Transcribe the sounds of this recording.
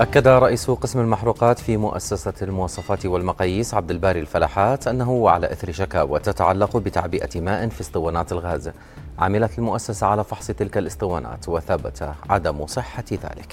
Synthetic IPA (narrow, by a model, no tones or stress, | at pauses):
ʔakːad̪aɾˤɑʔiːsʊqɪsmalmaħɾuːqɑːt̪fimʊʔa̰sːasalmʊwɑːsˤɑfaːt̪walmɑqɑːjiːsʕab̚d̪ɪlbaːɾilfalaːħaːt̪ʔanːaɦʊwʕa̰la̰ʔɪθɾɪʃaka̰ːwa̰t̪at̪aʕalːaqbɪt̪aʕbɪʔa̰maːʔɪnfisˤt̪ˤɨwaːnaːt̪ɪlɣaːz | ʕa̰mɪlat̪ɪlmʊʔasːasaʕalaːfɑħsˤɨt̪ɪlkalɨsˤt̪ˤɨwaːna̰ːt̪wɪθabat̪ʰaʕa̰d̪amsˤɨħːaða̰ːlɪk